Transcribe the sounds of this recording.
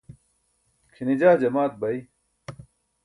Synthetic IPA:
kʰinid͡ʑaːd͡ʑɐmaːt̪̚bɐi

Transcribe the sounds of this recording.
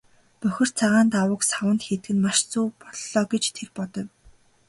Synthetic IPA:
pœxʲɪ̆r̥t͡sʰaʁaːnt̪awə̆ksawə̆nt̪xet̪̚ɡɘ̆nmaʃt͡suːpɔɮɮɔːɡet͡ɕt̪ʰerpɔt̪ɞ̆w

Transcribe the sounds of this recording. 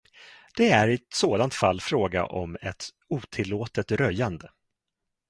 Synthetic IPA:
d̪̥ɛæɾɪɛt̪soːd̪ant̪falːfɾoːɡa̰ʔɔmɛt̪ | uːt̪ʰɪlːoːt̪ət̪ɾœjːand̪ə

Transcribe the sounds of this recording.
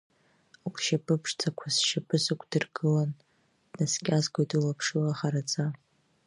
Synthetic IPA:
akʰʷʼʃapʰʼɨpʰʂt͡sʰakʷʰasʃapʰʼɨzɨkʷʰd̥ɨrɡɨlan | dnaskʲʼazɡʷojtʼulapʰʂɨlaχaɾat͡sʼa

